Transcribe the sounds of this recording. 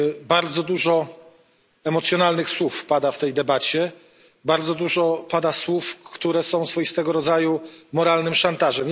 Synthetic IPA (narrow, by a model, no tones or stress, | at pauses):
baɾd̪zɔd̪uʐɔ | ɛmɔt̪sʲjɔnalnɘxswufpad̪aft̪ɛjd̪ɛbat͡ɕɛ | baɾd̪zɔd̪uʐɔpad̪aswufkt̪uɾɛsɔ̃w̃sfɔjist̪ɛɡɔɾɔd̪zajumɔɾalnɘmʂant̪aʐɛm